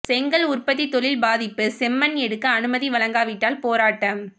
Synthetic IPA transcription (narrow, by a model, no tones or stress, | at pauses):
sɛŋɡɐɭʊrpɐt̪ːit̪ːɔɭɪlbaːðɪpːɯsɛmːɐnɛɽɯkːɐːnɯmɐðiʋɐɭɐŋɡaːʋɪʈːaːlpoːɾaːʈːɐm